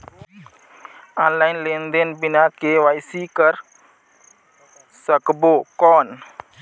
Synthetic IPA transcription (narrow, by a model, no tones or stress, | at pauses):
anlajnlɛnd̪ɛnbinakewajsikər | səkəbokɔn